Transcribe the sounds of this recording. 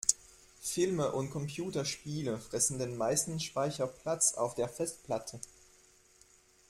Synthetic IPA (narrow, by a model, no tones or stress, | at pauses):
fɪlməʔʊnt̚kʰɔmpʰjuːtɐʃpiːləfʁ̥ɛsn̩deːnmaɪstn̩ʃpaɪçɐpl̥at͡sa̰ʊfd̥eːɐfɛstpl̥atʰə